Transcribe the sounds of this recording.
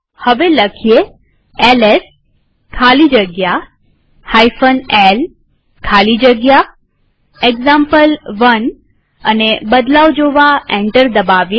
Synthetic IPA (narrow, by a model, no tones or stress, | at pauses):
həʋeləkʰije | eles | kʰalid͡ʒəɡja | hajfənel | kʰalid͡ʒəɡja | eɡzãmpəlʋən | ənebəd̪laʋd͡ʒoʋaẽɳʈəɾd̪əbaʋje